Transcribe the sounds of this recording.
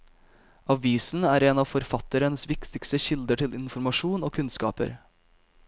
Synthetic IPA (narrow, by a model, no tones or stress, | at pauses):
ɑʋiːsn̩æːɾeːnɑːʋfɔɾfɑt̪əɾənəsʋɪkt̪ɪkst̪əçɪld̪əʈʰɪlɪnfɔɾmɑʂuːnoːkʰʉnskɑ̰ːpə̰ɾ